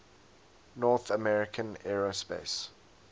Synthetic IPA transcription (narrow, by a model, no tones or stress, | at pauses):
nɔθəmɛɹɪkʰə̃nɛɹospḛɪs